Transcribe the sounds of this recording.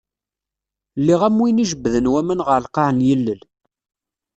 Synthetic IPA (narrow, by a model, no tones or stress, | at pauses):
lːiʁæmwiniʒəbːðənwæmənʁəɾlqɑʕənjəlːəl